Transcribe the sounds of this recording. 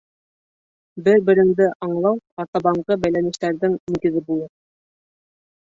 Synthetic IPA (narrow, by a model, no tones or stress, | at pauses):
bɘɾbɘ̆ɾɘ̆ŋd̪ɘʔɑɴlˠɑwɑɾt̪ɑβɑɴʁɤbæjlænɘ̆ʃt̪æɾðɘŋiŋɡɘ̆ðɘbulˠɤ